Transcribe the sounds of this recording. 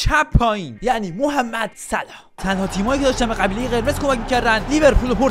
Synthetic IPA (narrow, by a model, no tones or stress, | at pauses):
t͡ʃʰæpʰːɒːjinjæʔniːmoɦæmːæd̪̥sælɒːt̪ʰænhɒːt̪ʰiːmɒːjiːcʰeɒːʃt̪æmbeʁæbiːle̞jeɣe̞ɾme̞zko̞mæcmiːcʰæɾd̪ænlive̞ɾpʰulopʰoɾ